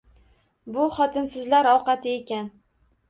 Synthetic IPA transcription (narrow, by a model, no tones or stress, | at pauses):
bʊχɒt̪ʰɪnsɪzlaɾɒwqɑt̪ʰɪe̞kʲan